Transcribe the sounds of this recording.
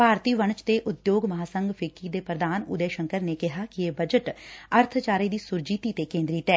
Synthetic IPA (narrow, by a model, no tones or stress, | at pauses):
paːɾt̪iːʋəɳt͡ʃt̪eːʔʊd̪joːɡməɦaːsəŋɡpʰɪkːiːd̪eːpɾəd̪aːnʊ̰d̪eːʃəŋkəɾneːkɪɦaːkɪeːbəd͡ʒəʈəɾt̪ʰt͡ʃaːɾiːd̪iːsʊɾd͡ʒiːt̪iːt̪eːkẽːnd̪ɾiːt̪ɛː